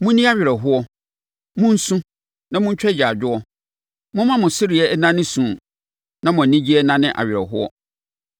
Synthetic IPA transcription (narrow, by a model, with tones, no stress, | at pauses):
mʊ̃˦nĩ˦a˦ɥᶣɪ˨ɾɛ˨ɦʊ˦ɔ˦ | mʊ̃˦n̩˦sũ˦ | nã˦mʊ̃˦ɲ̩˦t͡ɕᶣɛ˦d͡ʑɪ˨a˨d͡ʑᶣʊ˦ɔ˦ | mʊ̃˦mã˦mʊ̃˨sɪ˦ɾɪ˨ɛ˦nã˦nɪ̃˦sũ˨ | nã˦mʊ̃˨nĩ˦d͡ʑi˦ɛ˦nã˦nɪ̃˦ʔa̰˨ɥɪ˨ɾɛ̰˨ɦʊ˦ɔ̰˦